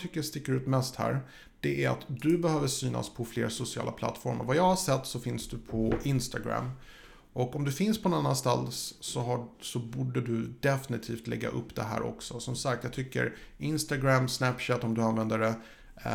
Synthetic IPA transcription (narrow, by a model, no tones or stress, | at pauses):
t̪ʰʏkːəʂt̪ɪkːəɾʉ̟ːt̪mɛst̪hæ̰ːɾ | d̪̥ɛʔæɾa̰t̪d̪ɵbɛhøːvəʂyːna̰spʰɔflḛːɾsʊsɪɑ̰ːla̰pʰla̰t̪ːfɔɾma̰ɾvajɑːɡhaʂɛt̪ːsɔfɪnsd̪ɵpʰɔʔɪnst̪aɡɾæ̰m | ʔɔkɔmd̪ɵfɪnspʰɔnanːanst̪a̰lsːɔɦasɔbuːɖəd̪ɵd̪ɛfɪnɪt̪ʰiːft̪lɛ̰ɡːa̰ʔɵpːd̪ɛɦæ̰ːɾʔɔ̰ksɔsɔmsak̚t̪jɑɡt̪ʰʏkːə̰ɾɪnst̪aɡɾæmsnæpːʃæt̪ːɔmd̪ɵanvɛnd̪əɖɛ